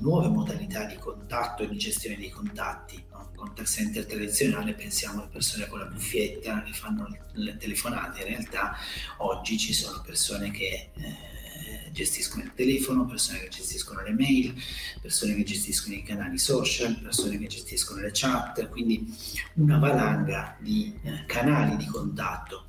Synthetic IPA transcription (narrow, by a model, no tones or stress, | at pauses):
nwɔːvemod̪alit̪ad̪ːikont̪at̪ːoed̪ːid͡ʒest̪joːned̪ekont̪at̪ːi | kont̪aksɛnt̪ert̪ɾad̪it̪sjonaːlepensjaːmoalepersoːnekolːabufːjet̪ːakefanːo | let̪elefona̰ːt̪einrealt̪aɔd͡ʒːit͡ʃisoːnopersoːnek̟ʰe | d͡ʒest̪iskonoilt̪elɛːfonopersoːneked͡ʒest̪iskonolemɛjlpersoːnek̟ed͡ʒest̪iskonoikanaːlisɔːt͡ʃalpersoːnek̟ed͡ʒest̪iskonolet͡ʃat̪ːkwind̪iunabalaŋɡad̪ikʰanaːlid̪ikont̪at̪ːo